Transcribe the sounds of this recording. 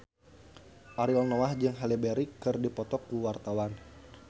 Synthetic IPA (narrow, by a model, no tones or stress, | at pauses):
ʔaɾiɔlnoahd͡ʒɨŋɦalibeɾikːɨrdipɔt̪ɔkuwart̪awan